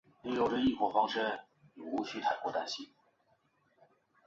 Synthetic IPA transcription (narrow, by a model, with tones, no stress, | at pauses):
ni˥˩jo˨˩ʊʈ͡ʂə˨˦i˥˩kwɔ˨˩fɑ˥ŋʂə˥n | i˨˩u˧˥ɕʰy˥t̪ʰa˨˩ɪkwɔ˥˧t̪a˥nɕi˥˩ŋ